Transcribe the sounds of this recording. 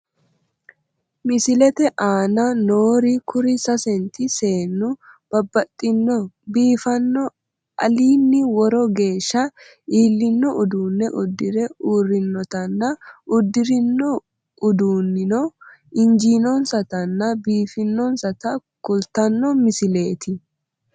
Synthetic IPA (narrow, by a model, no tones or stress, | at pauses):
mɪsɪlɛt̪ɛʔaːnɐnoːɾɪkʰʊɾɪsɐsɛnt̪ɪse̞ːnːʊb̥ɐbːɐt̪ʼːɪnːɔbiːfɐnːɔ | ʔɐ̰liːnːɪwɔɾɔɡe̞ːʃːɐ | iːlːɪnːɔʔʊd̪uːnːɛʔʊd̪ːɪɾɛuːrːɪnːɔt̪ɐnːɐʔʊd̪ːɪɾɪnːɔ | ʊd̪uːnːɪnɔɪnd͡ʒiːnɔnsɐt̪ɐnːɐbiːfɪnːɔnsɐt̪ɐkʊlt̪ɐnːɔmɪsɪle̞ːt̪ɪ